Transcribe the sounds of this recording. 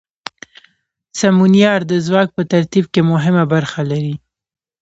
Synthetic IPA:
samunjɑɾd̪əzwɑk̚pət̪aɾt̪ib̚kemʊɦɪmabaɾxalaɾi

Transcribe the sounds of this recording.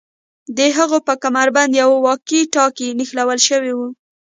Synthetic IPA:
d̪əɦaɣopəkamaɾband̪jawwɑkiʈɑkinixlawəlʃəwewu

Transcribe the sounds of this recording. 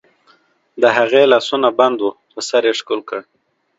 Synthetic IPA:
d̪əɦaɣelɑsunaband̪wupəsaɾeʂkulkəɽ

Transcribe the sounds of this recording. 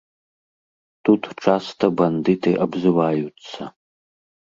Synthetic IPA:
tʰutʰʈ͡ʂʰastʰɐbɐnditʰeʔabzɨwaːjut͡sʰːa

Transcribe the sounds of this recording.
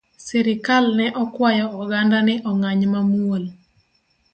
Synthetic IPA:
sɛɾɪkalnɛʔɔkwajɔːɡandanɪʔɔŋaɲmamwol

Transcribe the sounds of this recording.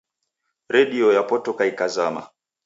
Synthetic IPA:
ɾɛɗiɔjapɔtɔkaikazama̰

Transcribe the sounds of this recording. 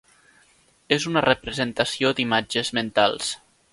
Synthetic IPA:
ezunərəpɾəzent̪asiod̪imad͡ʒəzment̪alˠs

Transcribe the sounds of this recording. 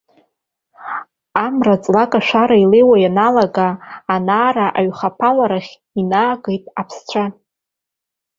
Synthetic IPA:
amrat͡sʼlakʼaʃʷᶣaɾaile̞jwajanalaɡaːnaːraʔaɥχapʰalaɾaχʲ | inaːɡejtʼapʰst͡ɕʷʰa

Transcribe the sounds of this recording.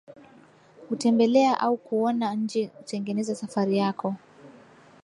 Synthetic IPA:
hutɛmbɛlɛaʔaukuɔnaɲ̩d͡ʒikutɛŋɡɛnɛzasafaɾijakɔ

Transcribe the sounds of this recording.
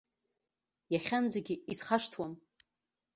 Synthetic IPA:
jaχʲand͡zaɡʲɪizχaʂtʰwam

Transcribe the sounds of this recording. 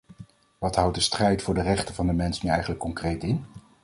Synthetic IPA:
ʋɑtɦʌwt̚dəstrɛjtfʊːɹdərɛχtənvɑndəmɛnsnyɛjχənləkːɔŋkrejtɪn

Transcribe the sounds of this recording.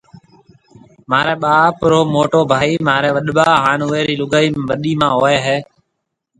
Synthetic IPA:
maːɾɛːɓaːpɾoːmoːʈoːbʱaːiːmaːɾɛːʋəɗɓaːɦaːnuːeːɾiːlʊɡaːiːmʋəɗiːmãːɦoːeːɦeː

